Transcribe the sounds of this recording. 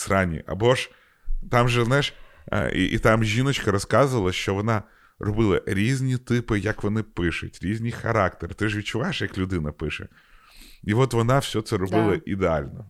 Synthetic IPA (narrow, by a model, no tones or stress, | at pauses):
sɾɑnʲḭʔɐ̰bɔʒ | t̪ɑmʒɛznajɪʃḭʔḭt̪ɑmʒʲinɔt͡ʃkɐɾɔskɑzʊʋɐlˠɐʃt͡ʃɔʋɔnɑ | rɔbɪlˠɐɾʲizʲnʲit̪ɪpɪjɐkʋɔnɪpɪʃʊtʲɾʲizʲnʲijxɐɾɑkt̪ert̪ɪʒʋʲit̚t͡ʃʊʋajeʃjɐklʲʊd̪ɪnɐpɪʃɛ̰ | iʋɔt̪ʋɔnɑwsʲɔt̪sɛɾɔbɪlˠɐʔid̪eɑlʲnɔ